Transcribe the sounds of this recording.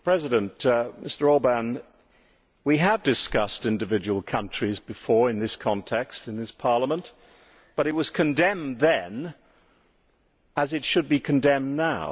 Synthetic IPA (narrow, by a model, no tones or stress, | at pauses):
pʰɹ̥ɛzɨɾɨ̃ntmʔɪstə˞ɔlˠbən | wiəvdɨskʌstɪ̃ndɨvɪd͡ʒəwl̩ˠkʰʌ̃nt͡ʃɹ̥izbɨfɔɹɨ̃nðɪskʰɑ̃ntʰɛkstɨ̃nðɪspʰɑɹləmə̃nʔ | b̥ʌɾɨt̚wʌz̥kʰɨ̃ndɛ̃mðɨ̃n | əzɨtʃɨd̚bikʰɨ̃n̩dɛ̃mnaʊ